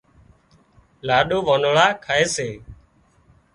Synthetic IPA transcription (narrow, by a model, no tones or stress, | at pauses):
laːɗoːʋoːnːɭaːkʰaeːseː